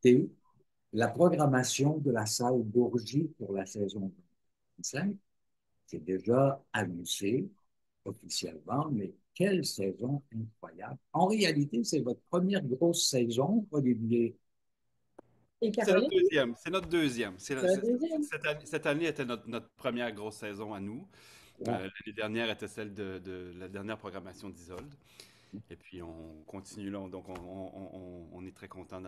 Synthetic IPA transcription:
t̪e | lapχɔɡʁamasjɔ̃d̪əlasalbuʁʒipuʁlasɛzɔ̃d̪ømi | sɛ̃k̚ | sɛd̪eʒaamyze | ɔfisjɛ̰lmɑ̃mɛkʲɛlsɛzɔ̃ɛ̃kχwaja̰blɑ̃ʁealit̪esɛvɔt̪χəpχəmjɛʁɡʁosːɛzɔ̃pʁɔd̪ibje | ekasɛid̪øzjɛmsɛnɔt̪χd̪øzjɛmsɛd̪øzjɛmsɛt̪ansɛt̪aneet̪ɛnɔt̪χnɔt̪χpχəmjɛːʁɡʁosːɛzɔ̃anu | laned̪ɛʁnjɛːʁet̪ɛsɛld̪əd̪əlad̪ɛʁnjɛːʁpʁɔɡʁamasjɔ̃d̪izɔld̪ | epɥiɔ̃kɔ̃t̪inylad̪ɔ̃kɔ̃ɔ̰̃ː | nɛt̪χɛkɔ̃t̪ɑ̃

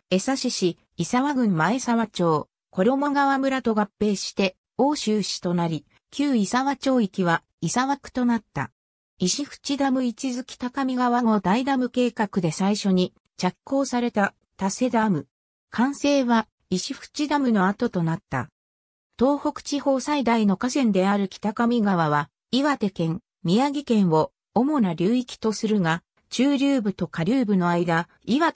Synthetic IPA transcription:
e̞saɕiɕi | isaβaɡɯ̟̃mmae̞saβat͡ɕo̞ː | ko̞ɾo̞mo̞ɡaβamɯ̟ɾat̪o̞ɡapːe̞ːɕi̥t̪e̞ | o̞ːɕɨːɕi̥t̪o̞naɾʲi | kʲɨːisaβat͡ɕo̞ːikʲiβa | isaβakɯ̟̥t̪o̞nat̪ːa̰ | iɕiɸɯ̟̥t͡ɕid̪amɯ̟it͡ɕizɨkʲi̥t̪akamʲiɡaβaŋo̞d̪aid̪amɯ̟ke̞ːkakɯ̟d̪e̞saiɕo̞ɲ̟i | t͡ɕakːo̞ːsaɾe̞t̪a | t̪ase̞d̪amɯ̟ | kʰãɰ̃se̞ːβa | iɕiɸɯ̟̥t͡ɕid̪amɯ̟no̞at̪o̞t̪o̞nat̪ːa̰ | t̪o̞ːho̞kɯ̥t͡ɕiho̞ːsaid̪aino̞kasẽ̞nd̪e̞aɾɯ̟kʲi̥t̪akamʲiɡaβaβ̞a | iβat̪e̞kẽ̞ŋ | mʲiaɡʲikẽ̞ɰ̃βo̞ | omo̞naɾʲɨːikʲi̥t̪o̞sɨɾɯ̟ɡa | t͡ɕɨːɾʲɨːbɯ̟t̪o̞kaɾʲɨːbɯ̟no̞aid̪a | iβa

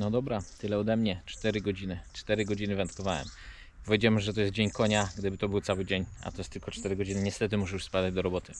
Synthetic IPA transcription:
nɔd̪ɔbɾat̪ɘlɛɔd̪ɛmɲɛt͡ʂt̪ɛɾɘɡɔd͡ʑinɘt͡ʂt̪ɛɾɘɡɔd͡ʑinɘvɛnt̪kɔvawɛ̰m | pɔvʲjɛd͡ʑawɛmʐɛt̪ɔjɛst̪̚d͡ʑeɲkɔɲaɡd̪ɘbɘt̪ɔbɘw̪sawɘd͡ʑeɲa̰t̪ɔjɛst̪ːɘlkɔt͡ʂt̪ɛɾɘɡɔd͡ʑinɘɲɛst̪ɛt̪ɘmuʂɛjuʂspad̪ad͡ʑd̪ɔɾɔbɔt̪ɘ

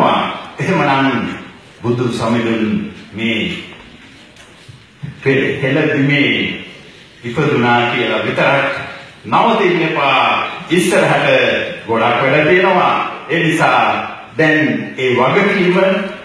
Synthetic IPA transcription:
ʋa̰eɦemənaŋ | bud̪ʱːusamid̪unmeː | peheləd̪imeː | ʋipəd̪unaːkijəlaʋit̪əɾaknaʋət̪inːepaːisːəɾəɦaʈəɡoɽakʋeɖət̪ijənəʋa̰eːnisaː | d̪ɛneːʋaɡəkiːmə

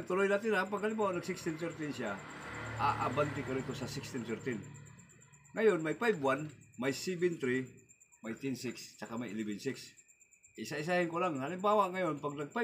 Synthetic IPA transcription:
ɡ̚t̪ʊlojnat̪ɪnapaɡ̚halɪmbaːwaʔnaɡsɪkst̪ɪnt̪ɛɾt̪ɪnsa | aʔabant̪ɪkaɾit̪osasɪkst̪ɪnt̪ɛɾt̪ɪn | ŋajonmajpajbwanmajsibɪnt̪ɾimajt̪ɛnsɪkst͡ʃakamajɪlɛbɛnsɪks | ʔɪsaɪs̬ahɪnkolaŋalɪmbaːwaʔŋajonpaɡ̚naɡ̚paj

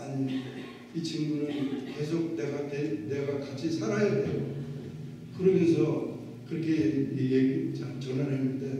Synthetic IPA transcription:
aɲi | it͡ɕʰiŋɡunɯnke̞sʰoɡ̚ne̞ɡatene̞ɡakat͡ɕʰisʰaɾajadejo | kɯɾʌmjʌnsʰʌ | kɯɾʌkʰe̞mejeɡit͡ɕaŋt͡ɕʌnaɾɦenːɯnde̞

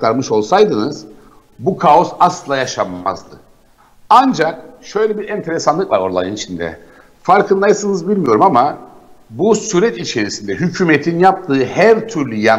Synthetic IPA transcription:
kt̪ʰaɾmɯʃo̞lˠsajd̪ɯnɯz̥ | bukʰao̞saslˠɯlˠajaʃama̰zd̪ɯ̰ | and͡ʒak̚ʃø̞jlʲɛbiɾɛnt̪ʰeɾesanˠɯklˠaɾo̞ɾlˠa̰jɯnit͡ʃʰind̪ɛ̰ | faɾkʰɯnlˠajɯsɯnɯzbilʲmijo̞ɾumamabusyɾɛt̪it͡ʃʰe̞ɾisind̪ɛɦycʰyːmet̪ʰinjap̚t̪ʰɯːhæɾt̪ʰyɾlʲyja

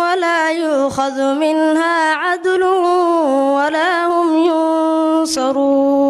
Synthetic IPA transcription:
walaːjʊʔxaðmɪnhaːʕad̪lʊhʊwalaːhʊmjʊnsɑɾuː

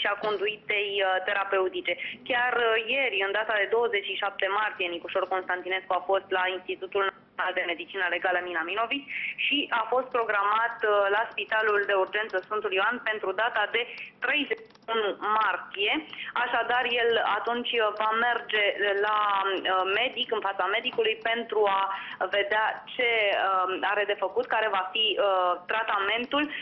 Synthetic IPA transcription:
ʃiako̞nd̪uit̪e̞jt̪e̞ɾape̞ut̪it͡ʃe̞kʲarje̞ɾʲɨnd̪at̪ad̪e̞d̪o̞wəze̞t͡ʃʃiʃap̚t̪e̞mart̪ije̞nikoʃo̞rko̞nst̪ant̪ine̞skuafo̞st̪lainst̪it̪ut̪ulnat̪sio̞nald̪e̞me̞d̪it͡ʃinəle̞ɡaləminamino̞vit͡ʃʃiʔafo̞st̪̚pɾo̞ɡɾamat̪laspit̪aluld̪e̞urd͡ʒe̞nt̪səsfɨnt̪uljoanpe̞nt̪ɾud̪at̪ad̪e̞t̪ɾe̞jzet͡ʃiunumart̪ije̞aʃad̪arje̞lat̪unt͡ʃʲvame̞rd͡ʒe̞la | me̞d̪ikɨnfat̪same̞d̪ikulujpe̞nt̪ɾuave̞d̪eat͡ʃe̞ | aɾe̞d̪e̞fəkut̪kaɾe̞vafiət̪ɾat̪ame̞nt̪ul

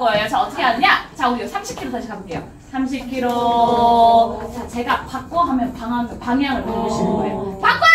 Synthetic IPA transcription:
ʌejot͡ɕaʌt͈ʰʌkʰeanɯɲat͡ɕauɾiɡosʰamɕʰip̚kʰiɾotʰaɕʰikamk͈e̞jo | sʰamɕ̬ʰip̚kʰiɾo | t͡ɕat͡ɕe̞ɡapak̚k͈oɦamjʌnpaŋɦaŋɯpaŋjaŋɯɭpoɾɡiɕʰinɯnɡʌejopak̚k͈o

